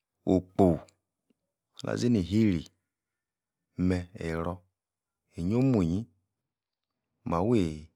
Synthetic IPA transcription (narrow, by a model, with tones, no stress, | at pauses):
o˨k͡po˨w | lʔa̰˨zi˦ni˨ɦi˦ɾḭ˨ | mɛ˧e˨ɾɔ˦ | e˨ɲo˦mu˨ɲi˦ | ma˨we˦˨